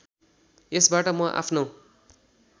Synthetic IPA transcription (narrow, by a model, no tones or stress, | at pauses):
esbaʈʌmʌʔa̰pʰnow